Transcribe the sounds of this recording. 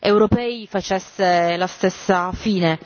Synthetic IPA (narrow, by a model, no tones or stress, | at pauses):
ewɾopɛːifat͡ʃɛsːelast̪esːafiːne